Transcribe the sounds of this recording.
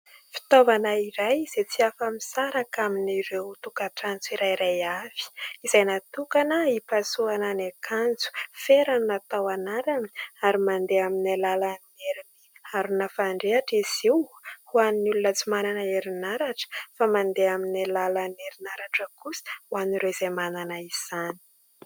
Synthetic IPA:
fi̥t̪ovanaiɾajz̥et͡siafəmisaɾakaminiɾewt̪ukaʈ͡ʂant͡siɾajɾajav̥i̥izajnat̪ukanəipasuananakʰand͡zu̥feɾannat̪awanaɾaniaɾimand̪eaminalalaneɾiniaɾunəfaɳɖ͡ʐeaʈ͡ʂiz̥iwhuannulunat͡sumananəeɾinaɾaʈ͡ʂə̥famand̪eaminalaləneɾinaɾaʈ͡ʂəkusi̥uaniɾewiz̥amananəiz̥ani̥

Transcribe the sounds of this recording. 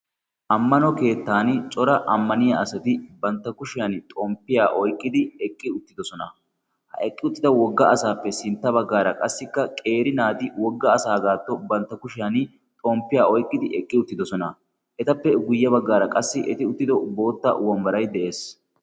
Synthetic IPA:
ʔɐmːɐnɔke̞ːt̪ːaːnt͡ʃʼɔɾɐʔɐmːɐnɪjɐɐsɐt̪ɪbɐnt̪ːɐkʊʃɪjɐnt̪ʼoːmpːɪjaːʔɔjkʼːɪd̪ɪɛkʼːɪʊt̪ːɪd̪ɔsɔnɐ | hɐ̰ʔɛkʼːɪʊt̪ːɪd̪ɐwɔɡːɐʔɐsaːpːɛsɪnt̪ːɐβɐɡːaːɾɐkʼɐsːɪkːɐkʼe̞ːɾɪnaːt̪ɪwɔɡːɐːsaːɡaːt̪ːɔbɐnt̪ːɐkʊʃɪjɐn | t̪ʼoːmpːɪjaːɔjkʼːɪd̪ɪʔɛkʼːɪʊt̪ːɪd̪ɔsɔnɐ | ʔɛt̪ɐpːɛɡʊjːɐbɐɡːaːɾɐkʼɐsːɪʔɛt̪ɪʊt̪ːɪd̪ɔbo̞ːt̪ːɐ̰wɔmbɐɾɐjd̪ɛʔe̞ːs

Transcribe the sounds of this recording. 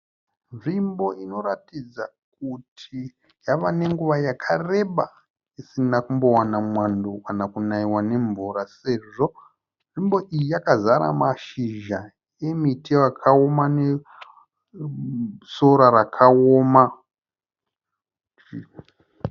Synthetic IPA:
ʐimbo̞ino̞ɾatid͡za | k̚utʰi | jaʋane̞ŋɡuʋajakʰare̞ɓa | isinakumbo̞wanamwandokanakunaiwane̞ɱvuɾase̞ʐo̞ | ʐimbo̞ʔijijakazaɾa̰maʃiʒa | emitiwakʰao̞mane | so̞ɾaɾakʰaoːma

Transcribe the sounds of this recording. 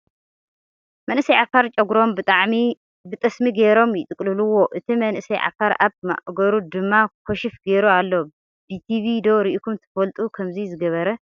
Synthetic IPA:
mɐnʔɨsɐjʕafaɾt͡ʃʼɐɡɾo̞mbɨt̪ʼaʕmi | bɨt̪ʼɐsmiɡeɾo̞mjɪt̪ʼɨkʼlɨluwo̞ʔɨt̪ʰimɐnʔɨsɐjʕa̰faɾa̰βma̰ʔɡɐɾud̪ɨmːakʰoʃɪfɡeɾualːo | b̥it̪ʰiβid̪o̞ɾiʔikʰumt̪ʰɐ̥fɐlt̪ʼukʰɐmzizɨɡɐβɐɾɐ

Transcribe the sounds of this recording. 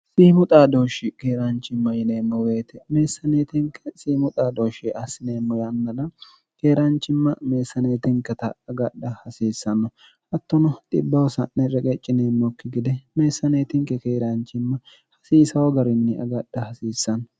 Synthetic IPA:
siːmʊt̪ʼaːd̪o̞ːʃɪkeːɾant͡ʃːɪmːɐjɪneːmːɔwe̞ːt̪ɛme̞ːsːɐneːt̪ɪŋkʰɛ̥siːmʊt̪ʼaːd̪oːʃeɐsɪneːmːɔjɐnːɐlɐ | keːɾant͡ʃːɪmːɐme̞ːsːɐne̞ːt̪ɪŋkɐt̪ɐɐɡɐɗːɐhɐsiːsːɐnːɔ | ʔɐt̪ːɔnɔt̪ʼɪbːɐwɔsɐnːɛɾɛkʼɛt͡ʃʼːɪneːmːɔkːɪɡɪd̪ɛme̞ːsːɐne̞ːt̪ɪŋkɛkeːɾant͡ʃɪmːɐ | hɐsiːsɐwɐɡɐɾɪnːɪʔɐ̰ɡɐɗːɐhɐsiːsːɐnːɔ

